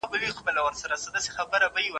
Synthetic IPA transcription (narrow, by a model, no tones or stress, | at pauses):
bəwixpəlawəɾsaɾasəd̪ase̥xabəɾabajiwa